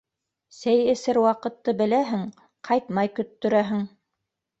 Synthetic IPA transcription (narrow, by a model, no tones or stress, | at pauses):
sæjɘ̆sɘɾwɑqɤ̆t̪ːɤbɘ̆læɦɘŋ | qʰɑjt̪mɑjkɵ̆t̪ːɵ̆ɾæɦɘŋ